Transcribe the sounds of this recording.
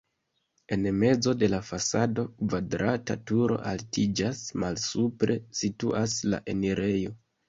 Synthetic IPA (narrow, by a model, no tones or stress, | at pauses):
e̞nme̞d͡zo̞de̞lafasado̞kvadɾatatuɾo̞̰ʔaltid͡ʒasmalsupɾe̞situʔasla̰ʔe̞niɾʔe̞jo